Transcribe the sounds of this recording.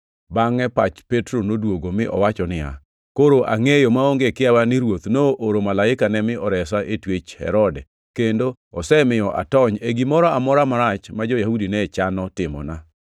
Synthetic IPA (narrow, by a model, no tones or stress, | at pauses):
baŋɛpat͡ʃpetɾonodwoɡomɪʔɔ̰wat͡ʃɔnɪa̰ | koɾoʔaŋejomaoŋɡekɪawanɪɾwot̪noʔoɾomalaɪkanɛmɪɔɾɛsaʔetwet͡ʃhɛ̰ɾɔdɛ | kendo | ɔsɛmɪjɔʔa̰tɔɲeɡimɔɾɔamɔɾamaɾat͡ʃmad͡ʒojahudinɛt͡ʃanɔtɪmɔ̰na